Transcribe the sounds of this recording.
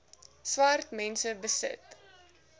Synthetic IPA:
swartmɛnsəbəsə̰t

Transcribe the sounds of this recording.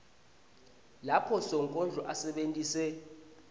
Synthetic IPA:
lapʰɔsɔŋkʼɔnd͡ɮʱɔʔasɛɓentʼiːsɛ

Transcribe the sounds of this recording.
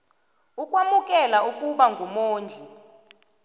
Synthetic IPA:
ukʼwamukʼɛlaukʼuɓaŋɡʱumoːnd͡ɮʱi

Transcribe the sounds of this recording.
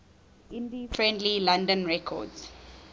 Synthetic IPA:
infɹɛ̃ndlilãndə̃nɹɛkʰɔ̰dz̥

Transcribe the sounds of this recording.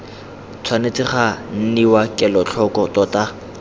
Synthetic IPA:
t͡sʰwanet͡sʼɪχan̩niwakʼɛlɔt͡ɬʰɔkʼɔtʼɔta

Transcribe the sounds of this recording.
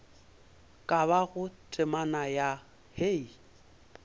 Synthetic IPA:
kʼaβaɣʊtʼɪmanaja | hei

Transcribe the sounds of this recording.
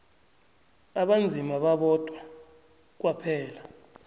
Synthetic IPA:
aɓand͡zʱimaɓaɓɔtʼwa | k̬wapʰɛːla

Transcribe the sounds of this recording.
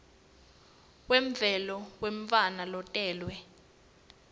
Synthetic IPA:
wɛɱb̪vʱɛlɔweɱ̩fanalɔtʼɛːlwɛ

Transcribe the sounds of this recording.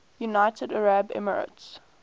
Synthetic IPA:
junaɪtədəɹabɛ̰mə̰ɹə̰ts

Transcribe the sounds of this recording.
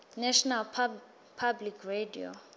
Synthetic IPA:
nɛʃɔnalpʰ | pʰablikʰredio̰

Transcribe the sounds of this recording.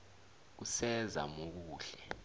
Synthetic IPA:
k̬usɛza̰mok̬uːɬɛ

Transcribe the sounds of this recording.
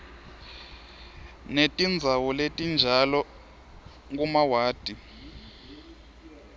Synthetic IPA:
netʼind͡zʱawɔletʼind͡ʒʱalɔ | ŋkumawaːd̥ʱʼi

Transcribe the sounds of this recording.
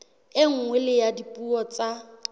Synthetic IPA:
ɪŋ̩ŋwɛlɪjadipʼuɔt͡sa

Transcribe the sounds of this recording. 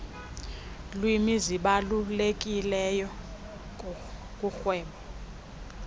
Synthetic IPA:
lwimiziɓalulek̬ʼilɛjɔ | kʼuxwɛːmɔ

